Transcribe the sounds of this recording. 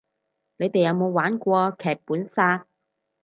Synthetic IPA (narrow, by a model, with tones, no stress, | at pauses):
ne˨˧jt̪e˨jɐ˨˧wmo˨˧wwaː˨˥nkʷɔː˧kʰɛː˨k̚puː˨˥nsaː˧t̚